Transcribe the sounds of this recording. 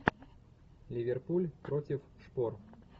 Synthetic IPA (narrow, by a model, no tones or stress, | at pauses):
lʲivʲɛrpulʲpɾɔt͡sʲiw | ʂpɔr